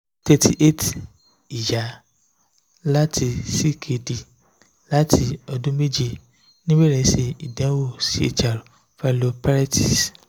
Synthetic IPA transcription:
te˧tʰi˨ʔe˦t | i˨ja˨˦ | la˦tʰi˧si˦˨kʰe˨di˨ | la˦tʰi˧ɔ˧dũ˦me˦d͡ʒi˧ | nĩ˦we˦ɾɛ̃˨˦se˧i˨dɛ̃˨˦wo˦˨si˦ḛ˦˨t͡ʃa˨ɾo˨ | fɛ˦lo˧pa˦ɾɛ˦ti˨s

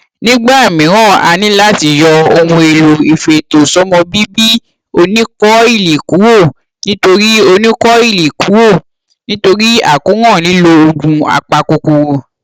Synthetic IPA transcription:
nĩ˦ɡ͡ba˦˨mĩ˨˦ɾ̃ɔ̃˦˨a̰˨˧nĩ˦la˦ti˧˨jɔ˧o˧mũ˧e˨˧˨lo˨i˨fe˧˨to˨sɔ˨˦mɔ̃˧bi˦bi˦ | o˧nĩ˦kɔ˦i˦˨li˨ku˨˦wo˦˨ | nĩ˦to˧ɾi˦o˧nĩ˦kɔ˦i˦˨li˨ku˨˦wo˦˨ | nĩ˦to˧ɾi˦a̰˦˨ko˨˦ŋɔ̃˦˨nĩ˨˦lo˧o˧ɡũ˧a̰˨k͡pa˧ko˧ku˨˧o˧˨

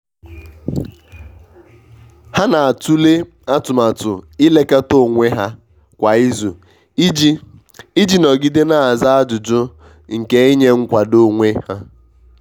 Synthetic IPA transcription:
ha˦na˨a˨tu˦le˦ | a˦tʊ˨ma˨tʊ̰˨ɪ˦le˦ka˦to˦˨ŋʷe˦ɦa˦ | kʷa˨i˦zu˨˦ | i˦d͡ʒi˦nɔ˨ɡi˦de˦na˨a˨za˦a˦d͡ʒʊ˨d͡ʒʊ˦ | ŋ̩˨ke˨i˦ɲe˦ŋ̩˦kʷa˨do˦ŋʷe˦ha˦

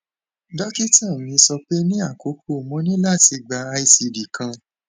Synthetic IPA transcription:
dɔ˦ki˦tã˦˨mĩ˧sɔ˧k͡pe˦nĩ˦a˦˨ko˨˦kʰo˦˨mɔ̃˨˦nĩ˦la˦˨ti˧ɡ͡ba˧a˧i˨˧si˧di˨kʰã˧

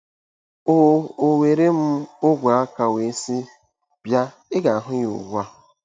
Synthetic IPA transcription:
o˦˨o˨we˨ɾe˦m̩˦ʊ˦ɡʷa˨a˦ka˨we˨si˦ | b̥ja˦ | ɪ˦ɡa˨a˨ɦʊ˦jo̰˨ɡu˦a˦

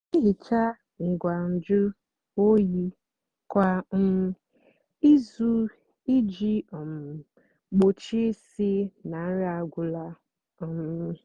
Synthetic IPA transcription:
i˦ɦi˨t͡ʃa˦ | ŋ̩˨ɡʷa˨n̩˨d͡ʒʊ˦ | o˦ji˦ | kʷa˦ | i˦zu˦ | i˦d͡ʒi˦ɔ˨m̩˨ | ɡ͡bo˨t͡ʃi˦si˦na˨˦ɾa˨ɡʷʊ˨la˦ | ɔ˨m˨

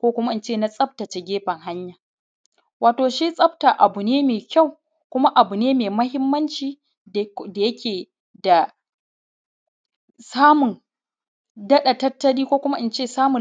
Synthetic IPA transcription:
kʷoː˦kʷʊ˦ma˦ʔɪ˦nt͡ʃeː˦˨na˦sʼɐ˦ɸ̚ta˨t͡ʃe˨ɡʲeː˦ɸɐ˨ŋɦa˦ɲjaː˨ | waː˨toː˨ʃi˦sʼɐ˦bta˨ʔa˨bʊ˨neː˦meː˨kʲa˦˨w | kʷʊ˦ma˦ʔa˨bu˨neː˦meː˨mɐ˦hɪ˦mːɐ˦nt͡ʃiː˨ | da˨jɐ˦kʲeː˨ | da˨ | saː˦mʊ˨n | dɐ˦ɗa˨tɐ˦tːɐ˦ɽiː˦kʷoː˦kʷʊ˦ma˦ʔɪ˦nt͡ʃeː˦˨saː˦mʊ˨

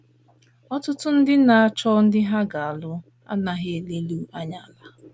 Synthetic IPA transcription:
ɔ˦tʊ˦tʊ˦n̩˦dɪ˦na˨a˦t͡ʃɔ˦n̩˦dɪ˦ɦa˦ɡa˨a˨lʊ˦ | a̰˦na˨ɦe˨le˦lu˦a˦ɲa˦˨la˦

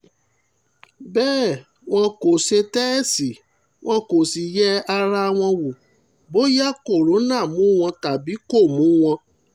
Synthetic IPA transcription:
bɛː˦˨ | w̃ɔ̃˧ko˨se˧tɛ˦˨si˨ | w̃ɔ̃˧ko˨si˨jɛ˦a˧ɾa˦w̃ɔ̃˧wu˨ | bo˦ja˦ko˦˨ɾo˨˦nã˦˨mũ˨˦w̃ɔ̃˧ta˨bi˨˦ko˦˨mũ˨˦w̃ɔ̃˧

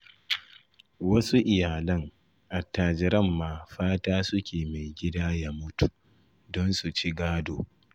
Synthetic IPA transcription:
wɐ˦su˦ʔɪ˨jaː˨lɐ˦ŋ | ʔa˨tːaː˨d͡ʒɪ˨ɾɐ˦˨mːaː˨ɸaː˦taː˦sʊ˦kʲʰeː˨me˨jɡʲɪ˦daː˦jaː˦mʊ˦tu˨ʔ | dɔ˦nsu˨t͡ʃi˦ɡaː˦doː˨

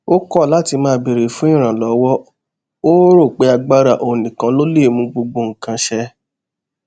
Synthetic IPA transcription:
o˦kɔ˦˨la˨˦ti˧mãː˦be˨ɾe˨fũ˨˦ĩ˦˨ɾ̃ã˨lɔ˨˦wɔ˦ | o˦ɾo˦˨k͡pe˨˦a˧ɡ͡ba˦ɾa˦˨ʔo˨nĩ˨kã˧lo˦le˦˨mũ˧˦ɡ͡bo˧ɡ͡bo˧ŋ̩˨kã˧ʃɛ˧

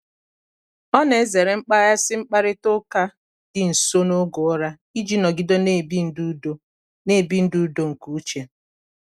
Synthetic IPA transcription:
ɔ˦ne˨e˦ze˨ɾe˨ŋ͡m̩˦k͡pa˦ja˦sɪ˦ŋ͡m̩˦k͡pa˦ɾɪ˦to˦ka˦ | dɪ˨n̩˨so˦no˦ɡo˨˦ɾa˦ | i˦d͡ʒi˦nɔ˨ɡɪ˦do˦ne˦˨bi˦n̩˦du˦do˦ | ne˦˨bi˦n̩˦du˦do˦ŋ̩˨ku˦t͡ʃe˨

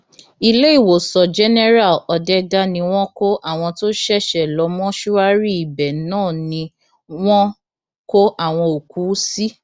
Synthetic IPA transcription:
i˧le˦i˦˨wo˨sɔ˨d͡ʒɛ˦nɛ˦ɾa˦˨lɔ˧dɛ˦da˦nĩ˧w̃ɔ̃˦ko˦ʔa˦˨w̃ɔ̃˧to˦ʃɛ˦˨ʃɛ˨lɔ˨˧mɔ̃˦ʃu˦a˦ɾi˦i˨bɛ˨nãː˦˨nĩ˧ | w̃ɔ̃˦ | ko˦ʔa˦˨w̃ɔ̃˧o˨ku˨˦si˦

